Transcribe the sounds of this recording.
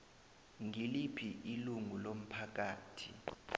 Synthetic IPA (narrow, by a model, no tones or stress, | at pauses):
ŋilipʰiʔiluŋulom̩pʰak̬aːtʰḭ